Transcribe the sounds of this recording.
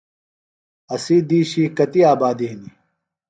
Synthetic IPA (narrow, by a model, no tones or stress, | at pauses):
ɐsiːd̪iːɕiːkɐt̪iaːbaːd̪ini